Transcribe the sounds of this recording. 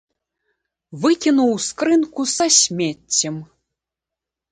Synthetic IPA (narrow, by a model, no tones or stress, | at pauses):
vɨkʲinuwskɾɨnkusaɕʲmʲetʲːɘm